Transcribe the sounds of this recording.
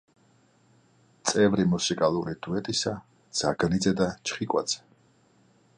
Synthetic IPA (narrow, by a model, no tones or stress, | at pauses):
t̪sʼɛvɾimusikʼalˠuɾid̪̥uɛt̪ʼisa | d̪z̥aɡnid̪zɛd̪at͡ʃʰχikʼwa̰d̪z̥ɛ̥